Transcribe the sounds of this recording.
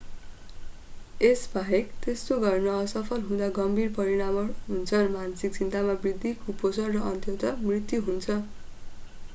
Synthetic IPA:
esbʱʌɦekt̪est̪oɡʌrnʌːsʌpʰʌlɦũd̪aɡʌmbʱirpʌɾiɽamʌrɦunt͡sʰʌnmansik̚t͡sint̪amabrid̪ʱːikʰuposʌrrʌʔʌnt̪jot̪ʌmrit̪juɦunt͡sʰʌ

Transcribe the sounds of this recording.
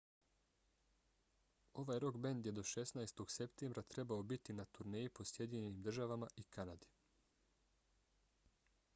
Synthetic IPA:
o̞ʋajɾo̞kbend̪je̞d̪o̞ʃe̞snajest̪o̞ɡ̥se̞pt̪embɾat̪ɾe̞bao̞bit̪inat̪uɾneːjipo̞sje̞d̪ʲiɲeniːmd̪r̩ʒaʋamaʔikanad̪i

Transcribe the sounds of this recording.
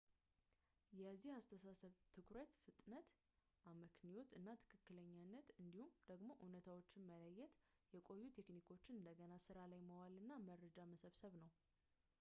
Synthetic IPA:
jɛzːihast̪ʰəsasəβt̪ʰɨkɾət̪fɨt̪ʼnət̪ | ʔaməkʰniwo̞t̪ɨnːat̪ʰɨ̥kʰɨkːɨləɲːanːət̪ɨnd̪ihumd̪̥əɡmo̞ʔunət̪ʰawo̞t͡ʃːɪnmələjːɛt̪ | jɛkʼo̞jːut̪ʰe̞knikʰo̞t͡ʃːɪnɨnd̪əɡənasɨɾalajməwalɨnːaməɾːəd͡ʒaməsəβsəβnəw

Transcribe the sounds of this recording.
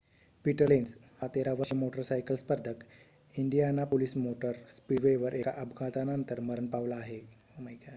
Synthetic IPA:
piʈəlens | hat̪eɾaʋəɕimoʈəɾsajkəlspəɾd̪ʱək | iɳɖijanːapolismoʈəɾspiɖʋeʋəɾʔekaʔəbʱɡãt̪anənt̪əɾməɾənpaʋlaːɦe | məjka

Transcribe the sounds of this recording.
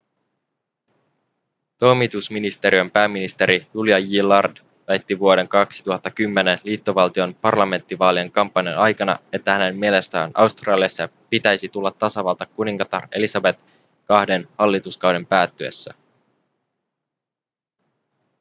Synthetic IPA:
t̪o̞jmit̪usminist̪e̞ɾiompæːmːinist̪e̞ɾijuljɑɡilːɑrd | ʋæjt̪ːiʋuo̞ɾe̞ŋkɑksi̥t̪uhɑt̪ːɑkymːe̞nenliːt̪ːo̞ʋɑlt̪io̞npɑrlɑme̞nt̪ːiʋɑːlieŋkɑmpːɑnjɑnɑjkɑnɑ̰e̞t̪ːæhæne̞mːiele̞st̪æ̰ːnʔɑ̰wst̪rɑːliɑsːɑpit̪æjsit̪ulːɑt̪ːɑsɑʋɑːlt̪ɑkuniŋkɑt̪ɑre̞̰lisɑbe̞t̪ | kɑhde̞nhɑlːit̪uskɑwde̞mpæːt̪ːyḛsːæ̰

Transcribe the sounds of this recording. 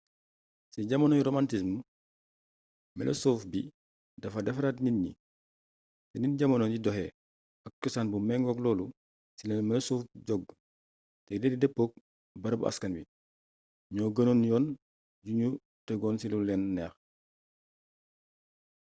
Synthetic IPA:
siɟɐmɐnɔnɾomantis̬m | mɛ̰lʔɐ̰soːfbi | dɐfadɐfɾatninːḭ | teninɟamɐnonɟidɔhɛ | ak̚kusanbumɛŋɡɔɡlɔːlu | silenmɛlɐsuːfɟɔɡ | tɛdɛdidɛpːoːk̚ | bɐɾbṵʔa̰skɐnbi | ɲɔːɡɐnonjɔːn | ɟuɲu | tɛɡɔːnsilulɛnːɛːx

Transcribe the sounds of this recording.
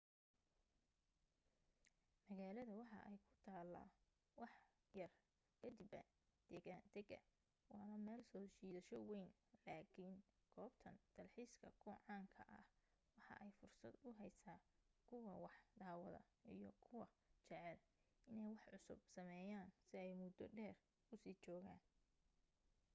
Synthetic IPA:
mɐɣaːlɐðɐwɑħɑ̰ʔɛjkʰʊ̥t̪ʰaːlːɐ̰ | wɑħ | jɐr | kʰɐd̪ibɐ | d̪̥ɛːɣaːnd̪̥ɛɡɐ̰ | wɑːnɐmɛːlsɔːt͡ʃiːðɐʃɔwejn | laːkʰiːnɡ̥ɔːbt̪ʰɐnd̪̥ɐlħiːskʰɐkʰʊʕɑːŋkʰɐ̰ʔɐ̰h | wɑħɑ̰ʔɛjfʊrsɐd̪ʊɦɛjsaːkʰʊwɐwɑħd̪aːwɐðɐ̰ | ʔijɔkʰʊwɐt͡ʃɛʕɛl | ʔɪnɛjwɑħʕʊsʊ̰b̚sɐmɛːjaːnsɪɛjmʊd̪ɔɖɛːr | kʰʊsiːt͡ʃɔːɣaːn

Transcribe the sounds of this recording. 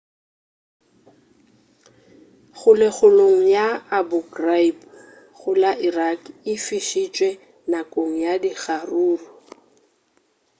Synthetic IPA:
χʊlɪχʊloŋ̩jaabʊɡraib | ɣʊlaʔirakɪfiʃit͡ʃʼwɛ | nakʼoŋ̩jadiχaruːrʊ

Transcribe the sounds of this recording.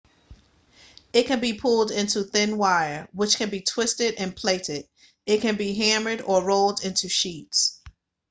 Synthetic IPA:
ɨt̚kɨ̃nbipʰʊlˠdɪ̃ntʰuθɪ̃nwaɪə˞wət͡ʃkɨ̃nbitʰw̥ɪstɪɾɨ̃npʰl̥eɪɾɪɾ | ɨt̚kɨ̃nbiɦæmə˞ɾə˞ɹoʊlˠdɪ̃ntʰʉʃits

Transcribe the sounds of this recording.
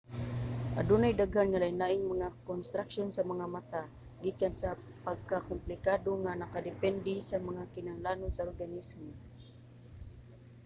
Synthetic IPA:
ʔa̰dunajd̪aɡhanŋalajnaʔɪŋmaŋakonst̪ɾakʃonsamaŋamat̪a | ɡikansa | paɡ̚kakʊmplɪkad̪oŋanakad̪ɪpɛnd̪ɪsamaŋakɪnaŋlanʊnsaorɡanismon

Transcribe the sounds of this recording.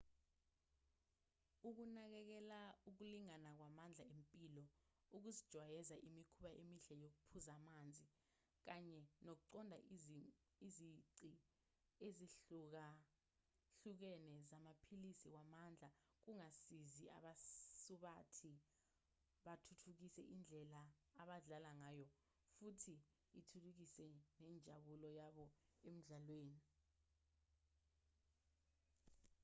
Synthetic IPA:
uk̬unak̬ɛk̬ɛlauk̬uliŋanak̬wamand͡ɮʱaempʼilɔ | uk̬uzid̥ʒ̥ʱwajɛzaʔimikʰuɓaʔemiɬɛjok̬upʰuzamand͡zʱi | k̬aɲɛnok̬uǀɔndʱa | iziǀi | eziɬuk̬a | ɬuk̬ɛnɛzamapʰilisiwamand͡ɮʱa | k̬uŋasizia̰ɓasuɓatʰi | ɓatʰutʰuk̬isɛʔind͡ɮʱɛlaːɓaɮalaŋaːjɔ | futʰi | itʰuluk̬isɛnɛnd͡ʒʱaɓulɔjaɓɔem̩ɮalweːni

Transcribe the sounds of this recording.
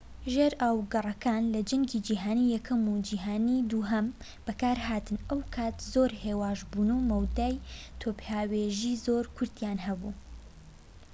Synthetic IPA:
ʒeːɾʔaːwɡɐrˤɐkʰaːnlɐd͡ʒɐŋɡid͡ʒiːɦaːnijɛkʰɐmud͡ʒiːɦaːnid̪uɦɐm | b̥ɐkaːɾɦaːt̪ɨnʔɐwkʰaːt̪zoːɾheːwaːʒbunuwmɐwd̪aːjt̪ʰoːpjaːweːʒiːzoːɾkʰʊɾd̪jaːnɦɐbṵː

